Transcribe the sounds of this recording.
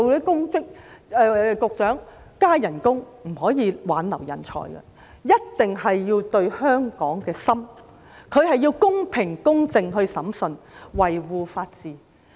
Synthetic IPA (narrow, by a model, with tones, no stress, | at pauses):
wle˨˥kʊ˥ŋt͡sɪ˥k̚ɛ˧kʊ˨˧k̚t͡ʃœː˨˥ŋ | kaː˥jɐ˨˩nkʊ˥ŋ | m̩˨˩ɦɔː˨˥jiː˨˧waː˨˥nlɐ˨˩wjɐ̰˨˩nt͡sʰɔ̰ː˨˩jɡɛ̰˧ | jɐ˥t̚t̪ɪ˨ŋɦɐ˨jːiː˧wt̪ɵ˧ɥhœː˥ŋkɔː˨˥ŋkɛː˧sɐ˥m | kʰɵ˨˧ɥhɐ˨jːiː˧wkʊ˥ŋpʰɪ˨˩ŋkʊ˥ŋt͡sɪ˧ŋɦɵ˧ɥsɐ˨˥msɵ˧nwɐ˨jwuː˨faː˧t̚t͡siː˨˩